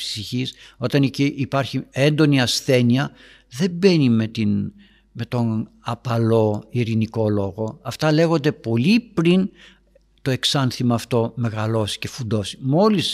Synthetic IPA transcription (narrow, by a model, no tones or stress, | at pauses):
psiçiso̞t̪ɐniciʔːpɐɾçie̞nd̪o̞niɐsθe̞niɐ | ðe̞be̞nimet̪in | me̞t̪o̞nɐpɐlo̞iɾiniko̞lo̞ɣo̞ɐft̪ɐle̞ɣo̞nd̪e̞po̞lipɾin | t̪o̞e̞ksɐnθimɐːft̪o̞me̞ɣɐlo̞si̥ce̞fund̪o̞si̥mo̞lis